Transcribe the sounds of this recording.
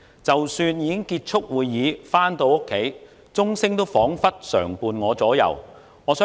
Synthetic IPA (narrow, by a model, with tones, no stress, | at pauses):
t͡sɐ˨wsyː˧njiː˨˧kɪ˥ŋkiː˧t̚t͡ʃʰʊ˥k̚wuː˨˧jːiː˨˧faː˥nt̪o˧wʊ˥kʰːe˨˥j | t͡sʊ˥ŋsɪ˥ŋt̪o˥wfɔː˨˥ŋfɐ˥t̚sœ̰ː˨˩ŋpuː˨˧nŋɔː˨˧t͡sɔː˨˥jɐ̰˨˩w | ŋɔː˨˧sœː˥